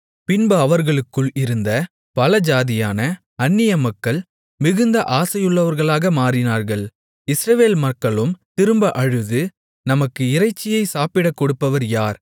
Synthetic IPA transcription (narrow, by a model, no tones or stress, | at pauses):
pɪnbɐɐʋɐɾɣɐɭɯkːɯɭɪɾɯnd̪ɐ | pɐlɐd͡ʒaːðɪjaːnɐ | ɐnːɪjɐmɐkːɐɭ | mɪɣɯnd̪ɐʔaːsɐjɯɭːɐʋɐɾɣɐɭaːɣɐmaːɾɪnaːɾɣɐɭ | ɪsɾɐʋeːlmɐkːɐɭɯmt̪ɪɾɯmbɐʔɐɻɯðɯ | nɐmɐkːɯɪɾɐɪt͡ʃːɪjɐɪsaːpɪɽɐkːɔɽɯpːɐʋɐɾjaːɾ